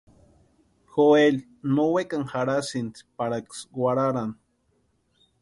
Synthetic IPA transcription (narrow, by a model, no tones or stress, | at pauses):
xoel | nowekaŋxaɾasint͡spaɾaksɡwʷaɾaɾan